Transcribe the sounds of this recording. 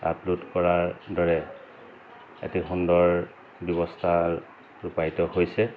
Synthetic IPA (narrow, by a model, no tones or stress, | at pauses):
a̰plutkɔɹaɹdɔɹɛ | ḛtixundɔɹ | bjɔbɔstʰa | ɹupajtɔhojsɛ